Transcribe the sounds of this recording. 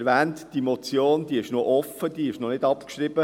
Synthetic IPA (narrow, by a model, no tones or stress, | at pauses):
ɾʋæːntd̥imot͡sjoːnd̪iːɪʃnoʔɔfəd̥̪iːɪʃnɔnɪdɑpkʃɾɪb̥ə